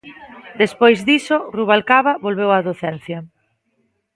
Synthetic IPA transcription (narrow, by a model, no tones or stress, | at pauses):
d̪espojzðisoruβalkaβaβolβ̞ewaðoθɛn̟θjɐ